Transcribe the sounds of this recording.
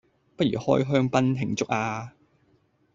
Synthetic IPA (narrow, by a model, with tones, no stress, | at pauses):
pɐ˥t̚ɥyː˨˩hɔ̰ː˥jɦœː˥ŋpɐ˥nɦʰɪ˨˩ŋt͡sʊ˥k̚aː˧